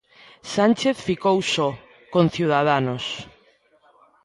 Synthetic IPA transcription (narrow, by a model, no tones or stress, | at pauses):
sant͡ʃeθfikowsɔ | konθiwð̞aðanos